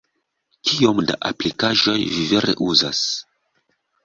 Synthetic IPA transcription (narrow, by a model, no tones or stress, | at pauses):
kiomda̰ʔaplikaʒo̞jvive̞ɾḛʔuzas